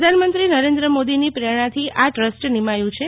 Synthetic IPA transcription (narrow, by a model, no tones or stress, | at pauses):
d̪ʱanmənt̪ɾinəɾend̪ɾəmod̪inipɾeɽ̃at̪ʰiʔaʈɾəsʈnimajũt͡ʃʰe